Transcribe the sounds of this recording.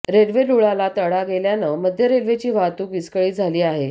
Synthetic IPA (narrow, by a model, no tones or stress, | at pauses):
ɾeɽʋeɖuɭalat̪əɽaɡeljanəməd̪ʱjəɾeɽʋet͡ɕiːʋat̪uːkʋiskəɭiːd͡zʱaliːaɦe